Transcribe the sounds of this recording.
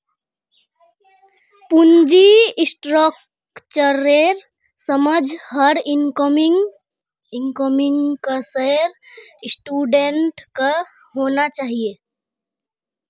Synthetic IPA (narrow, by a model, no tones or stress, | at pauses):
pund͡ʒisʈɾɔk | t͡ʃəɾeɾ | səməd͡ʒʱɦəɾiŋkəmiŋ | ɪŋkəmiŋɡkəsəɾ | sʈuɖeɳʈkə | ɦonat͡ʃaɦije